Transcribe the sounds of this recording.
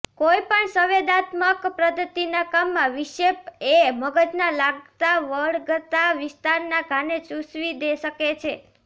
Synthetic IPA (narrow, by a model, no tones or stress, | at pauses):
koipəɳsəʋed̪at̪məkpɾəd̪ət̪inakamːãʋɪʃepeməɡəd͡ʒnalaɡ̚t̪aʋəɭɡət̪aʋɪst̪aɾnaɡʱãnet͡ʃusʋid̪eʃəket͡ʃʰe